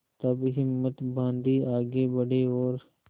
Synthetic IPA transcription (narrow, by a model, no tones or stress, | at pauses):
t̪ɐbɦɪmːət̪bãːnd̪iːaːɡebəɽeoːɾ